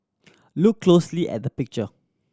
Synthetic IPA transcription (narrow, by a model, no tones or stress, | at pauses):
lukʰːlosliʔɛ̰t̚dəpɪk̚t͡ʃə